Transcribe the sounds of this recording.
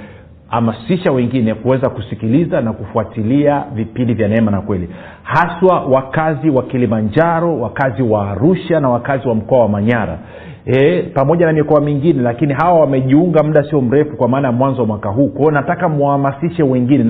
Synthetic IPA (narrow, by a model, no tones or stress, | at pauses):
hamasiʃawɛŋɡinɛkuwɛzakusikilizanakufuatiliavipindivjanɛmanakwɛli | haswawakaziwakilimand͡ʒaɾɔwakaziwaːɾuʃanawakaziwam̩kɔawamaɲaɾa̰ | ɛpamɔʄanamikɔamiŋɡinɛlakiniɦawawamɛʄiuŋɡam̩ɗasiɔm̩ɾɛfukwamaːnajamwanzɔwamwakaɦukɔnatakamuahamasiʃɛwɛŋɡinɛ